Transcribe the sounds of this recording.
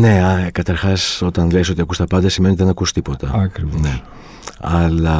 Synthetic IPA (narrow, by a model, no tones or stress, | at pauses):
ne̞ɐkɐt̪ɐɾxɐso̞t̪ɐnleiso̞t̪iɐkust̪ɐpɐnd̪ɐsimenot̪ðe̞nɐkust̪ipo̞t̪ɐɐkɾivone | ɐlɐ